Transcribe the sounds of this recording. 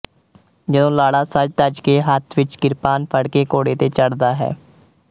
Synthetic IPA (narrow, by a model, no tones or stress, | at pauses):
d͡ʒɪd̪õːlaːɽaːsəd͡ʒt̪əd͡ʒkeːɦət̪ʰʋɪt͡ʃkɪɾpaːnpʰəɽkeːkoːɽeːt̪eːt͡ʃəɽd̪aːɦɛ̰ː